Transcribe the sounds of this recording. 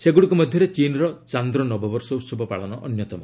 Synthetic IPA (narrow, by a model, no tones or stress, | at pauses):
seɡuɽikumɔd̪ʱjɔɾet͡ʃinɾɔt͡ʃand̪ɾɔnɔbɔbɔɾsɔut̪sɔbʱɔpaɭɔnɔʔɔ̰njɔt̪ɔmɔ